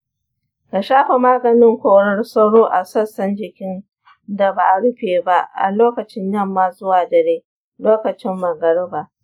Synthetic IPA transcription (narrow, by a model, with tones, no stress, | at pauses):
ka˨ʃaː˦ɸe˨maː˦ɡɐ˨nɪ˦ŋkʷoː˦ɽɐ˦rsɐ˦ɽoː˦ʔa˨sɐ˦sɐ˦nd͡ʒɪ˨kʲɪ˦n | da˨baː˨ʔɽʊ˦ɸeː˨ba˦ʔʔa̰˨loː˦kɐ˨t͡ʃɪ˦ɲjɐ˦˨mːaː˦zʊ˦waː˨dɐ˨ɽeː˦ | loː˦kɐ˨t͡ʃɪ˦mːɐ˨ɡɐ˨ɽɪ˦baː˨